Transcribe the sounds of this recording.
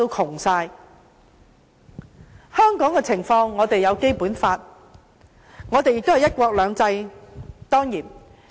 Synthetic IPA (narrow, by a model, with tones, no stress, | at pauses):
o˧wkʰʊ˨˩ŋsaː˧j | hœː˥ŋkɔː˨˥ŋkɛː˧t͡sʰɪ˨˩ŋfɔː˧ŋːɔː˨˧t̪e˨jɐ˨˧wke˥jpuː˨˥nfaː˧t̚ | ŋɔː˨˧t̪e˨jɪ˨k̚t̪hɐ˨jɐ˥t̚kʷɔː˧k̚lœː˨˧ŋt͡sɐ˧jt̪ɔː˥ŋjiː˨˩n